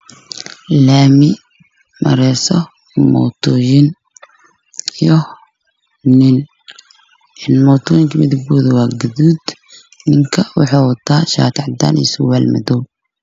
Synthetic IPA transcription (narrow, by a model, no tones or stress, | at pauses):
laːmɪ | mɐ̰ɾɛsɔ | mɔ̰t̪ʰɔːjɪn | ijɔ | nɪn | ɪnmɔt̪ʰɔjɪŋkʰɐmɪd̪ɪbuːðwaːɡɐðuːd̪ | nɪŋkʰɐwɑħɑːwɐt̪ʰːaːʃa̰ːt̪ʰaʕd̪a̰nḭsʊwaːlmɐ̰dɔː